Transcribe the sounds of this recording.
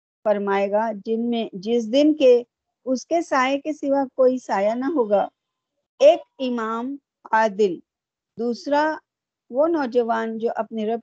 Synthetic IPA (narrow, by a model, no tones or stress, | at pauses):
fɐɾmaːeːɡad͡ʒɪnmẽd͡ʒɪs̬d̪ɪnke | ʊskesaːjekesɪʋakoːisaːjanɐɦoːɡaː | eːkɪmaːm | aːd̪ɪl | d̪uːsɾa | ʋonɔːd͡ʒəʋaːnd͡ʒoːʔɐpneɾɐb̚